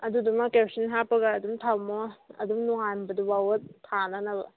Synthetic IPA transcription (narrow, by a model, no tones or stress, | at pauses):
ɐdudumɐkepsinɦapɐɡaːdumtʰawmoɐ̰dumnuŋanbɐduwawɐt̚tʰːanɐnɐbɐ